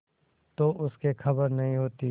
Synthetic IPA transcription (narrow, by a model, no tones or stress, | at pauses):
t̪oʔʊskekʰɐbəɾnɐɦĩɦoːt̪i